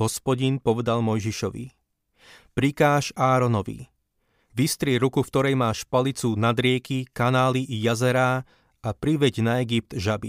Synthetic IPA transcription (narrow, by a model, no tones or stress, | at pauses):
ɦɔspɔɟinpɔʋɛd̪almɔjʒiʃɔʋḭ | pɾikaːʃaːɾɔnɔʋḭ | ʋist̪ɾɪɛɾukufkt̪ɔɾɛjmaːʃpalit͡sunad̪ɾɪɛkikanaːliʔijazɛɾaː | apɾiʋɛɟnaɛɡip̚t̪ʒabi